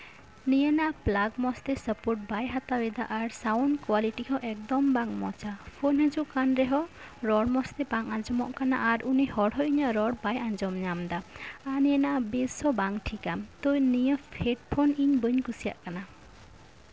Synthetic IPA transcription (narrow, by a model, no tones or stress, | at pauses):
nijənaʔplaɡmɔst̪ɛsəpoɾʈ̚bajɦat̪abɛd̪a̰ʔaɾsawnɖkwaliʈihɔ̃ʔɛk̚d̪ɔmbaŋmɔ̰t͡ʃapʰonɦəd͡ʒuʔkanɾeɦɔ | ɾɔɽmɔst̪ɛbaŋand͡ʒɔmɔ̰ʔkana̰ʔːɾunihɔɽɦɔʔiɲəɾɔɽbajand͡ʒɔmɲamd̪aanijənaʔbesɔbaŋʈʰikamt̪ojnijəpʰeʈ̚pʰoniɲbəɲkusija̰ʔkana